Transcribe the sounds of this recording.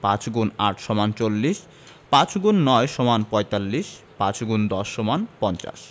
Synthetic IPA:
pãt͡ɕɡunaʈʰʃɔmant͡ɕolːiʃ | pãt͡ɕɡunːɔeʃɔmanpɔjt̪alːiʃ | pãt͡ɕɡund̪ɔʃːɔmanpɔnt͡ɕa̰ʃ

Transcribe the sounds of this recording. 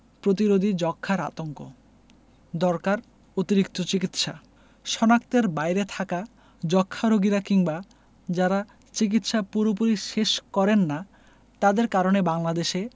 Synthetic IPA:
pɾot̪̬iɾod̪ʱid͡ʑɔkʰːaɾa̰t̪oŋko̰ | d̪ɔɾkaɾ | ot̪iɾikt̪ot͡ɕikit̪ʃa̰ | ʃɔnak̚t̪eɾbajɾet̪ʰaka | d͡ʑɔkʰːaɾoɡiɾakiŋba | d͡ʑaɾa | t͡ɕik̬it̪ʃapuɾop̬uɾiʃeʃkɔɾenːa | t̪ad̪eɾkaɾonebaŋlad̪eʃe

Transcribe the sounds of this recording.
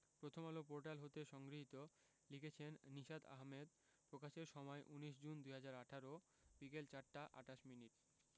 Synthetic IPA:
pɾot̪ʰomalop̬oɾʈalɦot̪eʃɔŋɡɾiɦit̪o | liket͡ɕʰenːiʃad̪a̰ɦmed̪ | pɾokaʃeɾʃɔmɔeʔuniʃ̬d͡ʑund̪ujɦad͡ʑaɾaʈʰaɾo | b̥ikelt͡ɕaɾʈaʔa̰ʈaʃminiʈ

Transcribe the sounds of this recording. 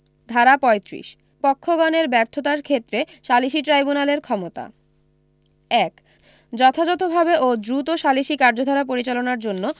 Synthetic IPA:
d̪ʱaɾapɔet̪ɾḭʃ | pɔkʰːoɡɔneɾbɛɾt̪ʰot̪aɾkʰet̪ːɾe | ʃaliʃiʈɾajbunaleɾkʰɔmot̪a̰ | ɛk | d͡ʑɔt̪ʰad͡ʑɔt̪obʱabeʔod̪ɾut̪oʃaliʃikaɾd͡ʑod̪ʱaɾapoɾit͡ɕalonaɾd͡ʑonːo

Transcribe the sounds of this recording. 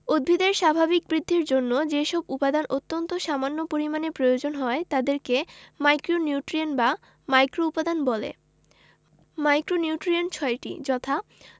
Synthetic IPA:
od̪̚bʱid̪eɾʃabʱabik̚bɾid̪ʱːiɾd͡ʑonːod͡ʑeʃɔbupad̪anʔot̪ːont̪oʃamanːopoɾimanepɾojod͡ʑonɦɔet̪ad̪eɾkemajkɾonjuʈɾionba | majkɾoupad̪anbɔlḛ | majkɾoniuʈɾiont͡ɕʰɔeʈḭd͡ʑɔt̪ʰa

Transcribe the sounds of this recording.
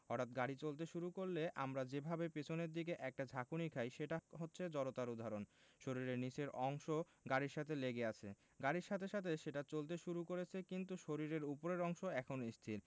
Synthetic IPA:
ɔɾt̪at̪ɡaɽit͡ɕolt̪̬eʃuɾukoɾleʔa̰mɾad͡ʑebʱabepet͡ɕʰoneɾd̪ik̬eʔɛk̚ʈad͡ʑʱakunikʰajʃeʈaɦotːɕʰed͡ʑɔɾot̪aɾud̪ʱaɾonʃoɾiɾeɾnit͡ɕeɾʔɔŋʃo | ɡaɽiɾʃat̪ʰeleɡeat͡ɕʰḛ | ɡaɽiɾʃat̪ʰeʃat̪ʰeʃeʈat͡ɕolt̪̬eʃuɾukoɾet͡ɕʰekint̪uʃoɾiɾeɾupoɾeɾɔŋʃoɛkʰonoist̪ʰiɾ

